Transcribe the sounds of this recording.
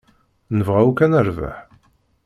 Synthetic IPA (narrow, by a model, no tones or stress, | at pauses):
nəvʁæukænəɾva̰ħ